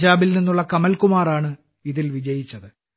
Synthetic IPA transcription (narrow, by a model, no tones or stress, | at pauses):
d͡ʑaːbilninːuɭːɐkɐmɐlkumaːraːɳɨ | iðilʋid͡ʑɐjit͡ɕːɐðɨ